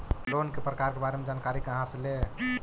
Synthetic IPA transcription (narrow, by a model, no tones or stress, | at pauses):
lonkepɾəkaɾkebaɾemed͡ʒankaɾikəɦãsle